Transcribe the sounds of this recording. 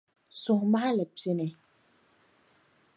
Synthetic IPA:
sʊ˨ma˦a˦la˨pi˨nɛ˨

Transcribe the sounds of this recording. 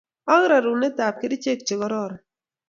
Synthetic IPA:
a˦ŋɾa˨ɾu˨ne˦t̪a˨p̚ke˦di˦t͡ʃe˦k̚t͡ʃɪ˨ɡɔ˦ɾɔ˦˨ɾ

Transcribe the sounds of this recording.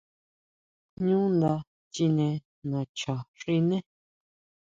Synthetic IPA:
ɲũ˦n˨da˧˦ | t͡ʃi˦nɛ̃˨ | nã˨t͡ʃɔ̃˨ʃi˦nɛ̃˦

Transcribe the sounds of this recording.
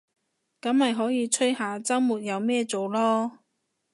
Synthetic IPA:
kɐ˨˥mhɐ˨jɦɔː˨˥jiː˨˧t͡sʰɵ˥jhaː˨t͡sɐ˥wmuː˨˩t̚jɐ˨˧wmɛː˥˧t͡so˨wlɔː˥

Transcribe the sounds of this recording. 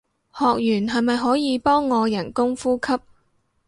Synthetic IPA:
hɔː˨k̚jyː˨˩nɦɐ˨jmɐ˨jɦɔː˨˥jiː˨˧pɔː˥ŋːɔː˨˧jɐ˨˩nkʊ˥ŋfuː˥kʰɐ˥p̚

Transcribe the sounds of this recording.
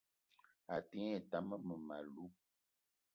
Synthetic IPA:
a˨ti˦ɛ˦˨ta˨˦mə˦mə˨ma˨lu˦

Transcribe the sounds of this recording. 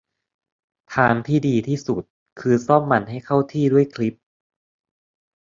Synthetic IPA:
t̪ʰaː˧nt̪ʰiː˥˩diː˧t̪ʰiː˥˩su˨˩t̪̚ | kʰɯː˧sɔ˥˩mːa˧˩nɦa˥˩jkʰa˥˩wt̪ʰiː˥˩du˥˩əjkʰli˦˥p̚

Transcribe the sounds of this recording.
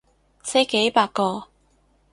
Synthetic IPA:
se˥ke˨˥jpaː˧kkːɔː˧

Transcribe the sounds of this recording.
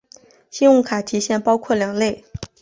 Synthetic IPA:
ɕi˥nʊ˥ŋkʰa˨˩t̪ʰi˧˥ɕjɛ˥˩npɑ˥ʊkʰwɔ˥˩ljɑ˨˩ŋle˥˩ɪ

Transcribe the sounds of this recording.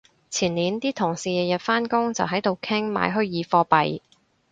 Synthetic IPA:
t͡sʰiː˨˩nliː˨˧nt̪iː˥t̪ʰʊ˨˩ŋsiː˨jɛ˨jɐ˨t̚faː˥nkʊ˥ŋt͡sɐ˨wɦɐ˨˥jt̪o˨wkʰɪ˥ŋma̰ː˨˧jɦɵ˥ɥjiː˨˧fɔː˧pɐ˨j

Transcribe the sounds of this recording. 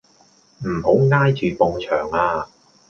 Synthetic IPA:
m̩˨˩ho˨˥wŋaː˥jt͡ʃyː˨pɔ˨˧ŋt͡ʃʰœ̰ː˨˩ŋaː˧

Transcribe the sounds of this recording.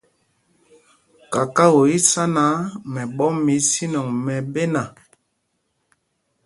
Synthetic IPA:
ka˨ka˦wo˨i˦sa˦na˨˦mɛ˨ɓɔ˦mi˨˦si˦nɔ˨ŋmɛ˨be˦na˨

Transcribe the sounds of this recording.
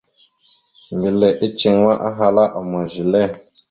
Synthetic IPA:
ŋ˨ɡi˨lɛ˨ʔi˦t͡ʃi˨ŋwa˦ʔa˦ɦa˨la˦ʔɔ˨ma˨ʒi˨lɛ˦˨

